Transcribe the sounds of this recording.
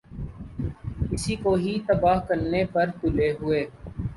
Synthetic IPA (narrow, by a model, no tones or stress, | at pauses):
kɪsiːkoːɦit̪əbaːɦkəɾneːpəɾkʊleːɦʊeː